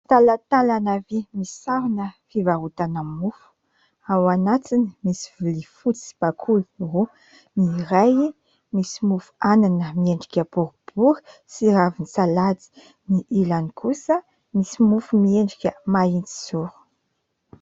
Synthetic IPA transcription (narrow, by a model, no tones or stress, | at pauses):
t̪alat̪alanavimisaɾunəfivaɦut̪anamufu̥ | awanat̪inimisivulifut͡si̥b̥akʰulu̥ru | niɾaji | misimufu̥ananəmieɳɖ͡ʐikʲəbuɾub̥uɾə̥siɾavinisalat͡si̥ | niʔilanikʰusə | misimufumieɳɖ͡ʐikʲəmaint͡si̥suɾu̥